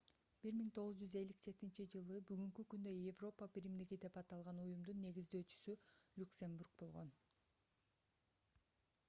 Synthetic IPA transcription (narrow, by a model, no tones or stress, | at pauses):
b̥iɾmiŋt̪ʰo̞ʁʊzd͡ʒyze̞lʲːikd͡ʒe̞t̪int͡ʃid͡ʒɯlˠɯbyɡyŋkykynd̪øjevro̞pabiɾimd̪iɡid̪e̞pɑt̪ɑlˠʁɑnujumd̪unːe̞ɡizd̪ø̞ːt͡ʃy̥sylʲuksʲe̞mburk̚bo̞lˠʁo̞n